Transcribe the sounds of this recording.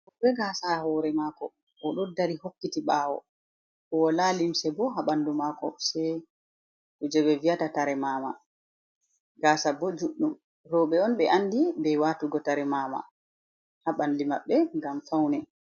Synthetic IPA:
ɔbɛɡasahɔɾɛmaːkɔ | ʔɔɗɔdaɾihokːitiɓaːwɔ̰ | kɔɔlalimsɛbɔɦaɓandumaːkɔsɛj | ɗɔd͡ʒɛɓɛviatataɾɛmaːma̰ | ɡaːsabɔd͡ʒuɗum | ɾɔɓɛɔnɓɛʔanːdibɛwatuɡɔtaɾɛmaːma̰ | haɓandimaɓːɛŋɡamfawnɛ

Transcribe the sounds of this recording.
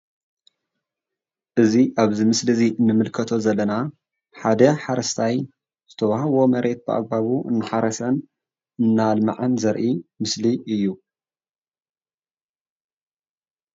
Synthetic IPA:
ʔɨziʔaβzimɨslɨziʔɨnːɨmɨlkʰɐt̪ʰo̞zɐlːɐna | ħad̪ɐħaɾɐst̪ʰaj | z̥ɨt̪ʰɐβahawo̞mɐɾe̞t̪̚bɨʔa̰ɡ̚baβuɨ̰nːɨħaɾɐsɐn | ɨnːalma̰ʕanzɐɾʔimɨsliʔɨjːu

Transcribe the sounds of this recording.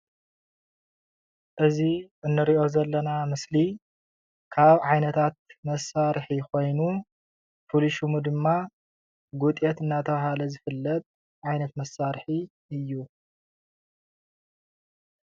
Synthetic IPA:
ʔɨziɨnːɨɾiʔo̞zɐlːɐnamɨsli | kʰaβʕajnɐt̪ʰat̪̚mɐsaɾħiko̞jnu | fuluʃumud̪ɨmːa | ɡut̪ʼjet̪ɨnːat̪ʰɐβaɦalɐzɨfɨlːɐt̪ʼ | ʕajnɐt̪mɐsːaɾħi | ɨjːu

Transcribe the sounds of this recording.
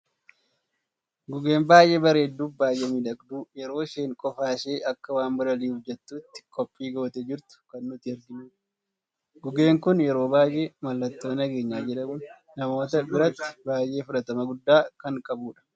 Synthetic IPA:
ɡʊɡe̞ːmbaːjʔe̞ːbɐɾeːd̪ːuːfbaːjʔeːmɪd̪ɐkd̪uːjɛɾo̞ːʃe̞ːŋkʼɔfaːʃe̞ːʔɐkːɐwaːnbɐɾɐliːufd͡ʒɛt̪ːuːt̪ːɪ̥kʼɔpʼːiːɡo̞ːt̪ɛd͡ʒɪɾt̪ʊ̥kɐnːʊt̪ɪɛɾɡɪmu | ɡʊɡe̞ːŋkʊnjɛɾo̞ːbaːjʔemɐlːɐt̪ːo̞ːnɐɡe̞ːɲːaːd͡ʒɛᶑɐmu | nɐmo̞ːt̪ɐbɪɾɐt̪ːɪ̥baːjʔe̞ːfʊᶑɐt̪ɐmɐɡʊd̪ːaːkɐŋkʼɐbuːᶑɐ̥

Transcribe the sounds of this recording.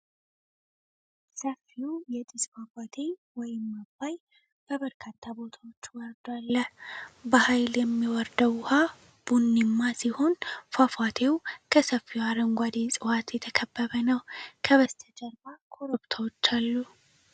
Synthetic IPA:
səfːiujɛt̪ʼɪsfafat̪ʰe̞wɔjɪmːɐbːaj | b̥əbəɾkʰat̪ːabo̞t̪ʰawot͡ʃːwɔɾd̪alːəbɐhajljɛmːiwɔɾd̪əwʊha | b̥unːɪmːasɪhonfafat̪ʰe̞wkʰəsɐfːiwaɾəŋɡʷad̪esʼɨwat̪jɛt̪ʰəkʰəbːəβənəwkʰəbəst̪ʰɐd͡ʒʼɐɾbakʰoɾɔbt̪ʰawɔt͡ʃːalːu

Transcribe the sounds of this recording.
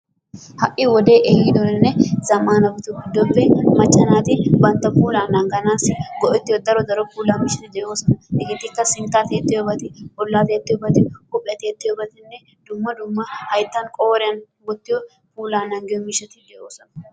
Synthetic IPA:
hɐʔɪwɔd̪e̞ːʔejɪd̪ɔnɪnːɛz̥ɐmːaːnɐbɪt̪ʊɡɪd̪ːɔbːɛmɐt͡ʃʼːɐnaːt̪ɪbɐnt̪ːɐfuːlaːnːɐŋɡɐnaːsɪɡɔʔɛt̪ːɪjɔd̪ɐɾɔd̪ɐɾɔfuːlaːmɪʃɐt̪ɪd̪ɛʔo̞ːsɐnɐɛkɪt̪ːɪkːɐsɪnt̪aːt̪eːt̪ːɪjɔbɐt̪ɪʔʊlːaːt̪eːt̪ːɪjɔbɐt̪ɪkʊpʼːɪɛɐt̪eːt̪ːɪjɔbɐt̪ɪnːɛ | d̪̥ʊmːɐd̪ʊmːɐhɐjt̪ːɐnkʼo̞ːɾɪjɐn | bɔt̪ːɪjɔ | fuːlaːnɐŋɡɪjɔmɪʃɐt̪ɪd̪ɛʔoːsɐnɐ

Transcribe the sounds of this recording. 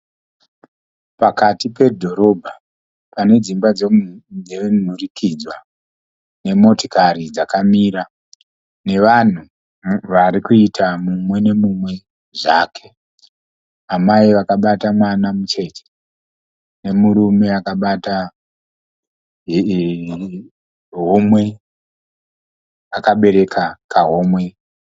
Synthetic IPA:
pakatipe̞dʱo̞ɾo̞bʱa | pane̞d͡zimbad͡zed͡zen̤urikʰid͡zwa | ne̞mo̞tokaɾid͡zakamiːɾa | ne̞ʋan̤u | ʋaɾikuitʰamumwe̞ne̞mumwe̞ | ʐaːkʰe̞̥ | amaiʋakaɓatamwanamut͡ʃe̞te̥ | ne̞muɾumeakaɓata | ɦ | ɦomwe̞ | akaɓe̞ɾe̞kʰakaɦo̞mwe̞

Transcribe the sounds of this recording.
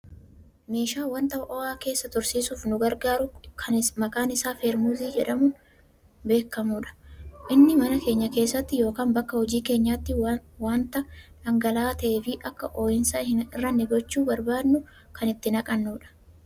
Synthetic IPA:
me̞ːʃaːwɐnt̪ɐʔɔaːke̞ːsːɐt̪ɔɾsiːsuːfnʊɡɐɾɡaːɾʊkʰɐnɪmɐkʼaːnɪsaːfeːɾmuːziːd͡ʒɛᶑɐmʊ | be̞ːkːɐmuːᶑɐ̥ʔɪnːɪmɐnɐke̞ːɲːɐke̞ːsːɐt̪ːɪjo̞ːkaːmbɐkːɐhɔd͡ʒiːke̞ːɲːaːt̪ːɪwaːnt̪ɐᶑɐŋɡɐlaːt̪ɐʔe̞ːfɪʔɐkːɐʔo̞ːjɪnsɐhɪnɪrːɐnːɛɡɔt͡ʃːuːbɐɾbaːd̪nʊ | kɐnɪt̪ːɪnɐkʼɐnːuːᶑɐ̥

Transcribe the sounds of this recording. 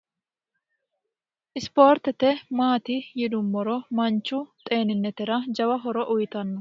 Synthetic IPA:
ʔɪspo̞ːɾt̪ɛt̪ɛmaːt̪ɪjɪd̪ʊmːɔɾɔmɐnt͡ʃːʊt̪ʼe̞ːnɪnːɛt̪ɛɾɐd͡ʒɐwɐɦɔɾɔʔʊjt̪ɐnːʊ

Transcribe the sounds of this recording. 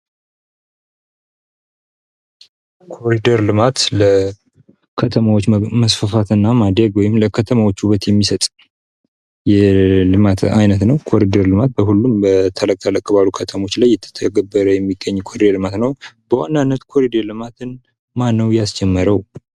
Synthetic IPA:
kʰo̞ɾid̪əɾlɨmat̪lə | kʰət̪ʰəmawot͡ʃːməsfəfat̪ɨnːamad̪eɡwɔjɪmləkʰət̪ʰəmawo̞t͡ʃːuβət̪jɛmːisət̪ʼ | jɛlɨmat̪ʰa̰jnət̪nəwkʰo̞ɾid̪əɾlɨmat̪̚bəhulːumbət̪ʰələkʼːələkʼːəβalukʰət̪ʰəmo̞t͡ʃːlajːɪt̪ʰːə̥t̪ʰːəɡəbːəɾəjɛmːiɡːəɲːkʰoɾid̪elɨmat̪nəwb̥əwa̰nːanːət̪kʰoɾid̪əlɨmat̪ʰɨn | manːəwjasd͡ʒɛmːəɾəw

